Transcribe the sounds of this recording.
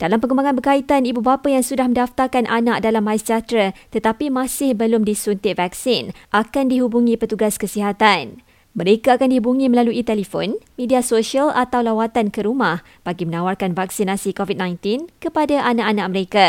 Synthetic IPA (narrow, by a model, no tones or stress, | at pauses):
d̥alampəŋəmbaŋãnbərkait̪anibubapajaŋsudahmə̃ndaft̪arkanʔanaʔ̚dalamajsəd͡ʒat̪ɾat̪ət̪apimãsɪhbəlʊmdisunt̪ɪʔvaksɪnʔakandiɦubuŋĩpərt̪uɡaskəsiɦat̪an | mə̃ɾekaakandihubuŋĩməlaluʔit̪ɛlifɔ̰nmẽdiasoʃialat̪awlawat̪ankəɾumah | b̥aɡimənawarkanvaksinasikovitd̚nãjnt̪ɪnkəpadaʔanaʔanaʔ̚məɾeka